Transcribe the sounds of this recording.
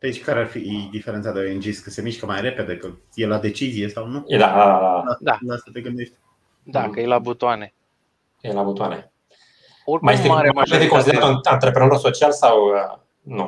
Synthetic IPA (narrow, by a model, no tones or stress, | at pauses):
d̪et͡ʃkaɾearfid̪ifeɾent̪sad̪eojend͡ʒiskəse̞miʃkəmajre̞ped̪e̞kə | jelad̪e̞t͡ʃizijesawnued̪aad̪alaast̪at̪eɡɨnd̪eʃt̪̚ʲ | d̪akəelabut̪oane | elabut̪oanḛ | omajest̪eɾeaed̪ekonsid̪at̪oant̪ɾepɾenoɾoso̞t͡ʃialsaw | nu